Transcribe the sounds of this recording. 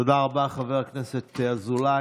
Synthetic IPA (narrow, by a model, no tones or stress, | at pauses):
odaːʁabaχavɛʁaknɛsɛt̪azula